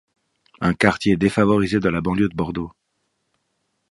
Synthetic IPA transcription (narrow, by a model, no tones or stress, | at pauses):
ɛ̃kaʁt̪jed̪efavɔʁized̪əlabɑ̃ljød̪əbɔʁd̪o